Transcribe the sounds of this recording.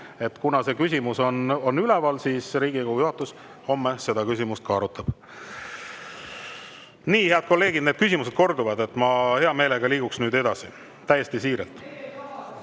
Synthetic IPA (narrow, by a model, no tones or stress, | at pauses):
e̞t̪ːkunɑse̞kysʲimuso̞no̞nːylɛvɑlsiːsɾiːɡ̥ikohujuɦɑt̪ːˑus | ho̞mːese̞d̪ɑkys̬ʲimust̪kɑːɾut̪ːˑɑb̥ | niːhe̞ɑd̪̥ko̞lːe̞ːɡid̪̥ned̥̪kysʲimuse̞d̪̥ko̞rd̪uvɑd̪e̞t̪ːˑmɑhe̞ɑme̞ːleɡɑliːɡ̥uksnyːd̪e̞d̪̥ɑsḭ | t̪æjːest̪isiːɾḛlt̪ˑ